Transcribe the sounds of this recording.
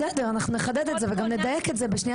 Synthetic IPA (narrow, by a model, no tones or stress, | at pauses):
ɛdəʁanaχnunəχad̪ɛd̪ɛtzevɪɡamnəd̪ajɛkɛtzebɪʃni